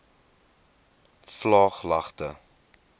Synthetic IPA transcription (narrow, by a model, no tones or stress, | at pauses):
flɑːχlɐχtə